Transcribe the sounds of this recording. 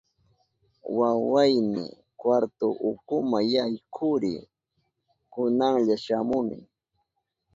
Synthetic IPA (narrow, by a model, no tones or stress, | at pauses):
wawajmɪ̰ | kwaɾt̪ʊʔʊkʊmajajkʰʊɾɪ̰ | kʊnaŋʎaʃamʊmɪ̰